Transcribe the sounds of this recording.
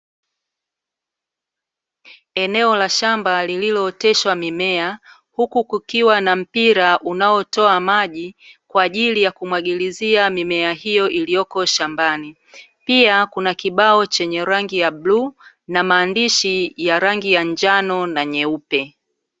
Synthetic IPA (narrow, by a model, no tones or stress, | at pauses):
ɛnɛɔlaʃambalililɔtɛʃwamimɛa | hukukukiwanam̩piɾaʔunaɔtɔamaʄikwaːʄilijakumwaɠiliziamimɛaɦijɔʔilijɔkɔʃambani | piakunakiɓaɔt͡ʃɛɲɛɾaŋɡijabluː | namaːndiʃijaɾaŋɡijaɲd͡ʒanɔnaɲɛupɛ